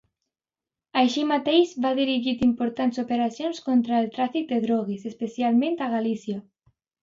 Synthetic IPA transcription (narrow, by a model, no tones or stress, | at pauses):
ajʃimat̪ejzβaðiɾiʒit̪impoɾt̪ant̪sopeɾasjonskont̪ɾaelt̪ɾaθik̚d̪eðɾɔɣ̞isespesjalmẽnt̪aɣalisja